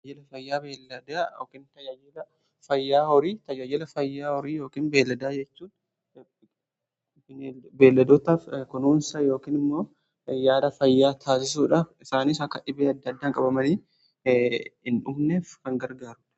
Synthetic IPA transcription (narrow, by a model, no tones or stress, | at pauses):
d͡ʒɛlɐfɐjːaːbeːlːɐd̪aːoːkɪnt̪ɐd͡ʒaːjɛlɐ | fɐjːaːhɔɾiːt̪ɐd͡ʒaːd͡ʒɛlɐfɐjːaːhɔɾiːjoːkiːnbe̞ːlːɐd̪aːd͡ʒɛt͡ʃːuːn | nebe̞ːlːɐd̪ɔt̪ɐfkʊnuːnsajo̞ːkiːnɪmːo̞ː | jaːd̪ɐfɐjːaːt̪ʰaːs̬ɪs̬uːᶑaːfɪsaːniːsɐkːɐᶑɪbeːɐd̪ːɐd̪ːaːŋkʼɐbɐmɐniː | ɪnʊmneːfkɐŋɡɐɾɡaːɾʊᶑɐ̥